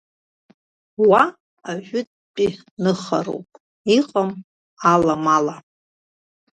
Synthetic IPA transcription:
wa | aʒᶣʊt̚ʼpʼi | nɨχa̰ɾo̰wpʼ | iqʼam | alamala

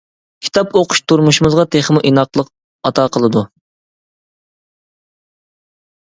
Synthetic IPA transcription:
kʲʰi̥t̪ʰɑpoqʰʊ̥ʃt̪ʰuɾmuʃimɨzʁɑt̪ʰeχmuʔinɑqlˠəq | ɑt̪ʰɑːqʰəlˠɨd̪u

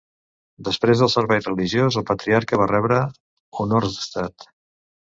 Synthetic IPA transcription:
d̪əspɾezðəlˠsəɾβɛjrəliʒiozəlˠpət̪ɾiaɾkəβarɛβɾə | unorzðəst̪at̪

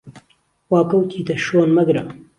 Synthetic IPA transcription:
wɑːkɐwt̪ʰiːd̪ɐʃoːnmɐɡɾɐ

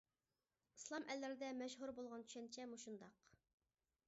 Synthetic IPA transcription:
ɨslˠɑmʔɛlːɪɾɪd̪ɛmɛʃɦuɾbolˠʁɑnt̪ʰy̥ʃɛnt͡ʃʰɛmuʃund̪ɑq

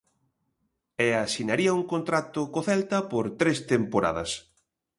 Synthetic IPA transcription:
ɛasinaɾiɐuŋkont̪ɾat̪ʊkoθɛlt̪ɐpoɾt̪ɾest̪empoɾa̰ðɐ̰s

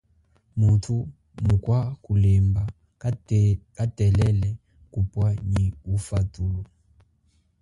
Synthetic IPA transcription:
mutʰu | mukʼwakulemba | kʼatʼɛlɛlɛ | kʼupwaɲiufatʼuːlɔ

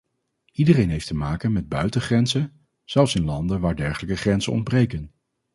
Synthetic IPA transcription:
ʔidərejnɦejftəmaːkənmɛd̚bœɥtəχrɛnzə | z̥ɛlˠfsɪnlɑndəʋaːɹdɛɹχələkəχrɛnzə̰nɔ̰nd̚brejkən

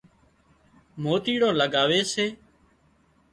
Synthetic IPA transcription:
moːt̪iːɽõːləɡaːʋeːseː

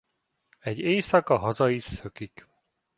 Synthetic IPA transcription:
ɛɟːeːsɒkɒɦɒzɒjisøkik

